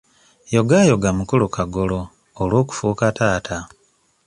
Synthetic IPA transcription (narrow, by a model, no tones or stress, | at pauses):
jo̞ɡaːjo̞ɡamukulukaɡoloː | lwo̞ːku̥fuːkataːtʰa